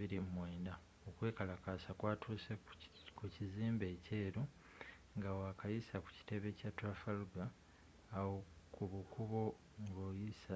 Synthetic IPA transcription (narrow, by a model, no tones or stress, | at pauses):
iɾimwe̞ːnda | okwe̞ːkalakasakwaːtʰuːse | kuciziːmbe̞ːce̞ːɾu | ŋɡawakʰajisaku̥ci̥te̞βe̞catwafaluɡaː | wokuβukʰuβo̞ | ɡojisa